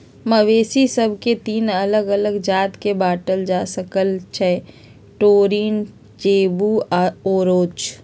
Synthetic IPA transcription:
məʋeːsisəbʱket̪iːnələɡələɡd͡ʒaːt̪kebaːʈəld͡ʒaːsəkəlt͡ʃʰɛ | ʈoːɾiːn | t͡ʃeːbuoːɾoːt͡ʃ

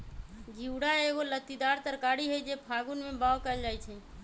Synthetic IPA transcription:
ɡʱiwɽaeɡolət̪id̪aɾt̪əɾkaɽiɦojd͡ʒepʰaɡunmebawkəld͡ʒajt͡ʃʰɛ

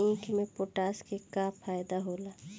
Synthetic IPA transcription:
ĩːkʰmẽpoʈaːskekapʰːaːjd̪aɦoːlaː

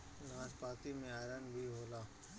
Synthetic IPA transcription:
naːspaːt̪imẽaːɾənbʱiɦoːlaː

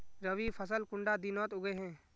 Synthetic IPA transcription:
ɾəʋipʰəsəlkʊ̃ɳɖad̪inɔːt̪ʊɡeɦɛ̃ː

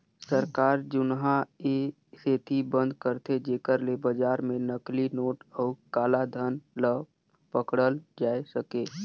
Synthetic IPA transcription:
səɾkaːɾd͡ʒʊnɦae | set̪ʰibə̃nd̪ʱkəɾt̪ʰed͡ʒeːkəɾlebəd͡ʒaːɾmẽnəklinoːʈɔːkaːlad̪ʱənlə | pəkɽəld͡ʒaːesəke

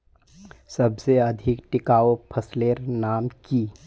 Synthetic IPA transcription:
səbseɐd̪ʱɪkʈɪkaːopʰəsleːɾnaːmki

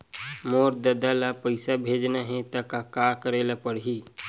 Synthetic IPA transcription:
moːɾd̪əd̪alapəɪsabʱeːd͡ʒnaɦɛ̃t̪əkakakəɾeːlapəɽɦi

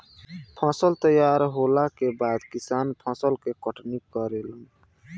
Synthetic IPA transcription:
pʰɔ̃səlt̪əjaɾɦolakebad̪kisanpʰɔ̃səlkekəʈnikːəɾelu

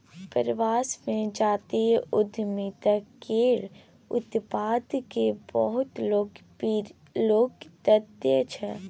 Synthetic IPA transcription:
pəɾʋaːsmẽd͡ʒaːt̪eɦʊd̪ʱmiːt̪əkeːɾ | ʊ̰t̪paːd̪kebəɦʊt̪loːɡ | loːɡt̪əd̪jət͡ʃʰɛ

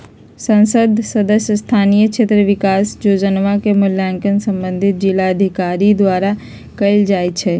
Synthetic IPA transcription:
sə̃nsəd̪ʱsəd̪əsjəst̪ʰaːnijəkt͡ʃʰet̪ɾəʋɪkaːsd͡ʒod͡ʒənʋãkemʊljãŋkənsə̃mbə̃nd̪ʱɪt̪̚d͡ʒɪlaəd̪ʱikaɾid̪ʋaːɾa | kɐɪld͡ʒaːjt͡ʃʰɛ

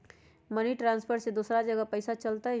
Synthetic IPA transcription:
məniʈɾãːnspʰəɾsed̪uːsɾad͡ʒəɡapəɪsat͡ʃəlt̪aɦ

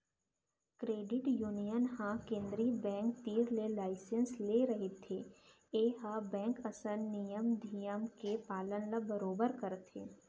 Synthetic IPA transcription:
kɾeːɖɪʈjuːnijənɦãkẽːnd̪ɾibɛ̃ːŋk̚t̪iːɾlelaːɪsənsleɾɐɦet̪ʰe | eːɦabɛ̃ːŋkɐsəɾnijəmd̪ʱijəmkepaːlənlabəɾoːbəɾkɐɾt̪ʰeː

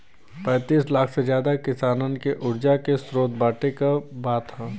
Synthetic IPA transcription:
pɛ̃ːt̪iːslaːkʰsezjaːd̪akɪsaːnənɪkeʔʊɾd͡ʒakesɾoːt̪̚baːʈekabaːt̪aː

